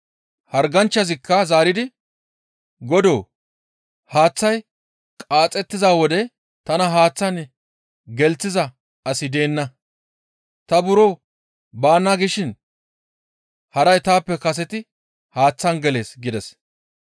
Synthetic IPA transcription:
hɐɾɡɐnt͡ʃːɐzɪkːɐzaːɾɪd̪ɪ | ɡɔd̪o̞ː | haːt͡sːɐj | kʼaːt͡sʼɛt̪ːɪzaːwɔd̪ɛ | t̪ɐnɐɦaːt͡sːɐn | ɡɛlt͡sːɪzɐ | ɐsɪd̪e̞ːnːɐ | t̪ɐbʊɾoː | baːnːaɡɪʃɪn | hɐɾɐjt̪aːpːɛkɐs̬ɛt̪ɪ | haːt͡sːɐnɡɛle̞ːsɡɪd̪ɛs

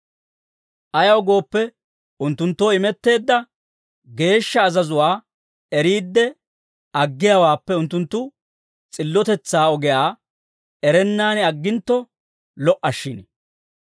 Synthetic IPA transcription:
ʔɐjɐwɡo̞ːpːɛ | ʊnt̪ːʊnt̪ːo̞ːɪmɛt̪ːe̞ːd̪ːɐ | ɡe̞ːʃːɐːzɐzʊwaː | ɛɾiːd̪ːɛ | ɐɡːɪjawaːpːɛʊnt̪ːʊnt̪ːʊ | t͡sʼɪlːɔt̪ɛt͡sːaːɔɡɛjaː | ɛɾɛnːaːnɪɐɡːɪnt̪ːɔ | lɔʔɐʃːɪn

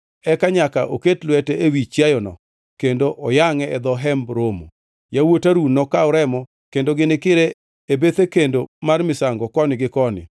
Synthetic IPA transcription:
ɛkaɲakaʔoketlwɛtɛewit͡ʃjajɔnɔ̰ | kendoʔɔjaŋɛɛd̪ɔɦɛmbɾomo̰ | jawotaɾunːɔkaɔɾɛmɔ | kendoɡɪnɪkɪɾe | ebet̪ekendomarmɪsaŋɡɔkɔnɪɡɪkɔnɪ̰

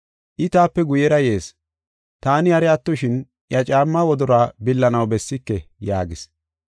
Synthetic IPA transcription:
ʔɪt̪aːpːɛɡʊjɛɾɐje̞ːs | t̪aːnɪhɐɾɛɐt̪ːɔʃɪn | jɐt͡ʃʼaːmːɐwɔd̪ɔɾaːbɪlːɐnɐwbɛsːɪkːɛjaːɡɪs

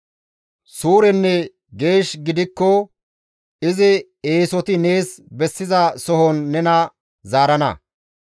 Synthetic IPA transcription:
suːɾɛnːɛ | ɡe̞ːʃɡɪd̪ɪkːɔ | ɪzɪ | eːsɔt̪ɪne̞ːsbɛsːɪzɐsɔɦɔnːɛnɐ | zaːɾɐnɐ̰

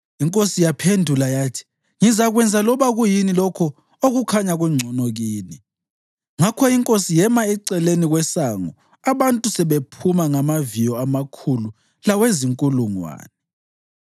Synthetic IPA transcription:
iŋkʼosijapʰendʱulajaːtʰi̥ | ŋizaɣwɛnd͡zʱalɔβaɣujinilɔkʰɔ | oɣukʰaɲaɣwɛŋ͡ǀʱɔnɔɣiːni | ŋakʰɔiŋkʼosijɛmaɛǀɛleniɣwɛsaːŋɔ | aβantʼusɛβepʰumaŋamavijɔamakʰulu | laweziŋkʼuluŋwa̰ːnɛ

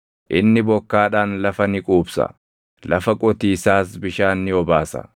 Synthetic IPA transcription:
ʔɪnːɪbɔkːaːᶑaːnlɐfɐnɪkʼuːbsɐ̰ | lɐfɐkʼɔt̪iːsaːsbɪʃaːnːɪɔbaːsɐ̰

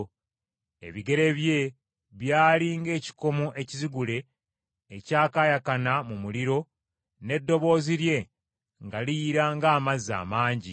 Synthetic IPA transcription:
e̞̰βiɡe̞ɾe̞βje̞ | βjaːliːŋɡe̞ːci̥ko̞moʔe̞ciziɡule̞ː | caːkajakanamumuliɾo̞ | ne̞dːo̞βo̞ːziɾje̞ | ŋɡaliːɾaːŋɡaːmaza̰ːmaːɲɟi

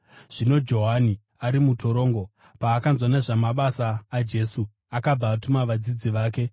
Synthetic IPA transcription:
ʐ̥ino̞d͡ʒo̞ɦani | aɾimutʰo̞ɾo̞ːŋɡo̞ | paːkanzwaneʐamaɓasaːd͡ʒe̞su | akab͡vaːtumaʋad͡zid͡ziʋaːke̞

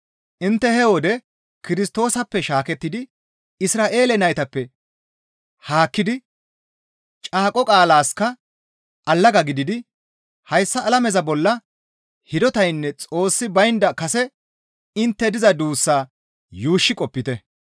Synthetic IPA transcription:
ʔɪnt̪ːɛhɛwɔd̪ɛ | kɪɾɪst̪o̞ːsɐpːɛʃaːkɛt̪ːɪd̪ɪ | ɪsɾaːʔe̞ːlɛnɐjt̪ɐpːɛ | haːkːɪd̪ɪ | t͡ʃʼaːkʼɔkʼaːlaːskɐ | ʔɐlːɐɡɐɡɪd̪ɪd̪ɪ | hɐjsːɐʔːlɐmɛzɐbɔlːɐ | hɪd̪ɔt̪ɐjnːɛt͡sʼo̞ːsːɪbɐjnd̪ɐkɐsɛ | ɪnt̪ːɛd̪ɪzɐd̪uːsːaː | juːʃːɪkʼɔpːɪt̪ɛ

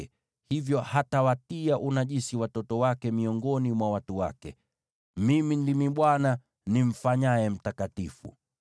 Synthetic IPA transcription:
ɛ | hivjɔhatawatiaʔunaʄisiwatɔtɔwakɛmiɔŋɡɔnimwawatuwa̰kɛ̰ | mimindimiɓwana | nim̩faɲaɛm̩takatifṵ

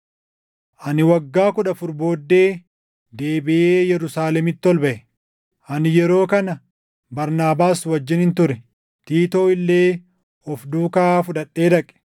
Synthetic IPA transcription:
ʔɐnɪwɐɡːaːkʊᶑɐfʊɾbo̞ːd̪ːe̞ː | d̪e̞ːbɪʔeːjɛɾʊsaːlɛmɪt̪ːɔlbɐʔɛ | ʔɐnɪjɛɾo̞ːkɐnɐ | bɐɾnaːbaːswɐd͡ʒːɪnhɪnt̪ʊɾɛ | t̪iːt̪o̞ːɪlːe̞ː | ɔfd̪uːkaːfʊᶑɐᶑːe̞ːd̪ɐkʼɛ̥

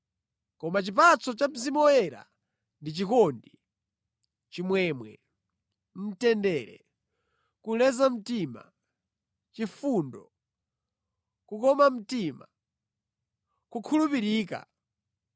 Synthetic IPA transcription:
kɔmat͡ʃip̬at͡sɔt͡ʃam̩zimɔɛɾa̰ | ndit͡ʃikɔndi | t͡ʃimwɛmwɛ̰ | m̩tɛndɛːɾɛ̰ | kulɛzam̩tima̰ | t͡ʃifuːndɔ | kukɔmam̩tima̰ | kukʰulupiɾiːka̰

